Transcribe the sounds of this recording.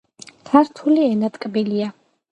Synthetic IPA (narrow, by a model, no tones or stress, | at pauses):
kʰaɾt̪ʰuliɛnat̪ʼkʼbilia